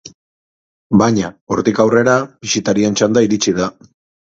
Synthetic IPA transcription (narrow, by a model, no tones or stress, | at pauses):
baɲaoɾt̪ikawre̞ɾab̥isit̪aɾient͡ʃand̪aiɾit͡siða